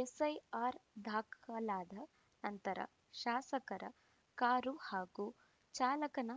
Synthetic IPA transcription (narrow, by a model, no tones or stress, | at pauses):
esɐjaːɾd̪ʱaːkalaːd̪ʱɐ | nɐnt̪ɐɾɐ̰ | ʃaːsɐkɐɾɐ̰ | kaːɾuhaːɡu | t͡ʃaːlɐkɐnɐ